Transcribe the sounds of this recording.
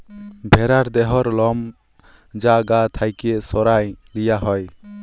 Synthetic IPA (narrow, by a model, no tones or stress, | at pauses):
bʱɛɾaɾd̪ɛɦɔɾlɔm | d͡ʒaɡat̪ʰajkɛʔsɔɾajlijaɦɔj